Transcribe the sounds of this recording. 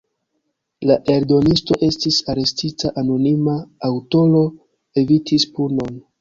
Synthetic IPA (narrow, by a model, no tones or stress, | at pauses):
laʔe̞ɾdo̞nisto̞ʔe̞stisaɾe̞stitʰaʔano̞nimaːwto̞lo̞ | e̞vitʰispuno̞n